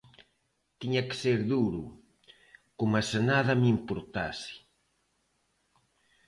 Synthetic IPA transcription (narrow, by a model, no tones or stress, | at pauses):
t̪iɲakɪ̥seɾðuɾṵ | komasenaðamimpuɾt̪a̰sɪ̥